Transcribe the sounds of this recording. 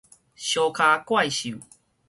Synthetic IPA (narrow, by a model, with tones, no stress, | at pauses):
ɕjo˧kʰa˧kwa˥˨jɕu˨